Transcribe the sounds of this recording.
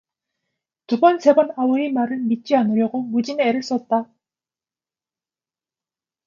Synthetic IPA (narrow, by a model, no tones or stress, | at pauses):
tubʌnse̞bʌnawʌemaɾɯɭmit̚t͡ɕ͈ianɯɾjʌɡomud͡ʑineɾɯɭs͈ʌt̚t͈a